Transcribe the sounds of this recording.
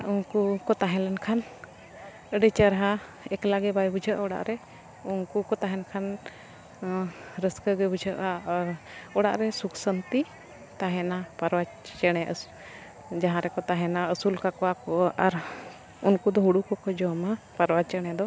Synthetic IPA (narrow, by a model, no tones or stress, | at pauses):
unkukɔt̪aɦɛ̃lɛnkʰan | əɖət͡ʃəɾɦa | ɛklaɡɛbajbud͡ʒʱəʔaɔɽa̰ʔɾɛ | unkukɔt̪aɦɛnkʰan | ɾəskəɡəbud͡ʒʱəʔa | ɔɽa̰ʔɾɛsuksənt̪i | t̪aɦɛnapəɾwat͡ʃt͡ʃɛɽ̃ɛʔə | d͡ʒaɦãɾɛkɔt̪aɦɛnaəsulkakɔakɔʔʔaɾ | unkud̪ɔɦuɽukɔkɔd͡ʒɔmapəɾwat͡ʃɛɽ̃ɛd̪ɔ